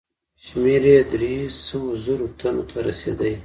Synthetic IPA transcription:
ʃmeɾed̪ɾesəwozoɾot̪ʰanot̪ʰaɾasḛd̪əj

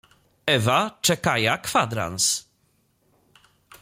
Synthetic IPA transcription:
ɛvat͡ʂɛkajakfad̪ɾa̰ns

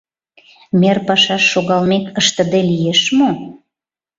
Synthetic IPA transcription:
merpɑʃɑʃːoɣɑlmekəʃt̪ə̆d̪elijeʃmo

